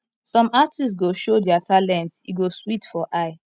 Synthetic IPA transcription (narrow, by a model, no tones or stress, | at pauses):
sɔ̃matʰistɡoʃodiatʰalɛ̃ntiɡoswitfɔʔaɪ